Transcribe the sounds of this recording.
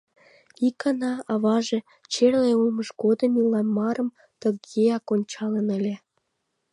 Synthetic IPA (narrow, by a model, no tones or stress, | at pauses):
ikɑnɑɑβɑʒe | t͡ɕerleuməʃɡod̪ə̆milɑmɑɾə̆m | t̪əɡeɑkonʲt͡ɕɑlənə̆lʲĕ